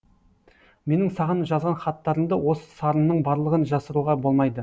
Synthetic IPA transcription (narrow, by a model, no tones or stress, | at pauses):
me̞nɪŋsɑʁənʒɑzʁɑnχɑt̪ːɑɾəmd̪əwo̞sə̥sɑɾənnəɴbɑɾlˠəʁənʒɑsəɾuʁɑbo̞lˠmɑjd̪ə